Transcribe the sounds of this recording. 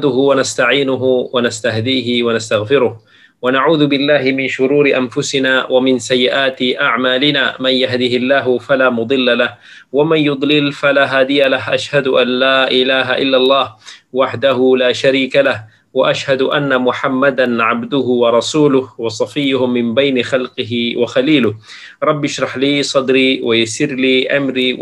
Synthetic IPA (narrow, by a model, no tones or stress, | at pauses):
d̪ʊhʊwanast̪aʕiːnʊɦʊwanast̪ahd̪iːhɪwanast̪aɣfɪɾʊh | wanaʕuːðʊbɪlːaːɦɪmɪnʃʊɾuːɾɪʔanfʊsɪnaːwamɪnsajːɪʔaːt̪ɪʔaʕmaːlɪnaːmanjaɦd̪ɪhɪlːaːɦʊfalaːmʊd̪ˤɨlːalah | wamanjʊd̪ˤlɪlfalaːɦaːd̪ɪjalaɦʔaʃhad̪ʊʔanlaːʔɪlaːɦaʔɪlːalˤːɑːhwaħd̪ahʊlaːʃaɾiːkalah | waʔaʃhad̪ʔanːamʊħamːad̪anʕabd̪ʊhʊwɑɾˤɑsuːlʊhwɑsˤɑfɪjːʊhʊmːɪmbajnɪxɑlqɪhɪwaxaliːlʊh | ɾˤɑbːjɪʃɾˤɑħliːsˤɑd̪ɾiːwajasɪɾliːʔa̰mɾiː